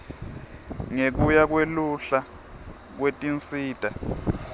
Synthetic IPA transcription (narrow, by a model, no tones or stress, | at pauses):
ŋek̬ujak̬weluɬa | k̬wetʼint͡sʼiːtʼa